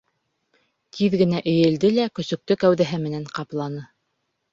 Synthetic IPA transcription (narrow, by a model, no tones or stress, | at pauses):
t̪ʰiðɡɘ̆næʔɘ̆jɘ̆ld̪ɘlækɵ̆sɵ̆k̚t̪ɵkæwðæɦɘmɘ̆næɴqɑplˠɑnɤ